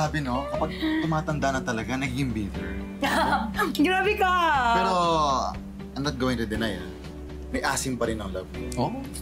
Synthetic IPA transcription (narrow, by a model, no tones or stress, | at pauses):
aːbɪnokɐpaɡ̪̚ʊmaːt̪ɐnd̪anɐt̪ɐlɐɡanɐɡɪmbiːt̪ɛɹ | ɡɾaːbɪkapɛːɾo | ɐjmnɐt̪̚ɡoːwɪŋt̪ʊd̪ɪnaja̰ | mɐjʔaːsɪmpɐɾɪnʔɐŋlɐb̚ʔoːʔ